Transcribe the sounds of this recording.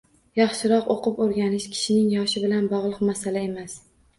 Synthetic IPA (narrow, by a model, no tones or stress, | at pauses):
jɑχʃɪɾɒqoqʰɨpoɾɡʲanɪʃkʲʰɪ̥ʃɪnɪŋjɒʃɪbɪlanbɒʁlˠɨqmasalae̞mas